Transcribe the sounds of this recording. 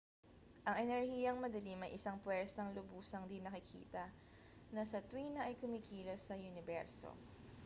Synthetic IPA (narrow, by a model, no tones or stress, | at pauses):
ʔɐŋʔɛnɛɹhiːjɐŋmɐd̪ɐlimɐjʔɪsaŋpwɛɹsɐŋlʊbuːsɐŋd̪inɐkɪkʰḭːt̪ɐ | nɐsɐt̪wiːnɐʔɐjkʊmiːkiːlɐsɐjʊnɪbɛ̰ɹso̰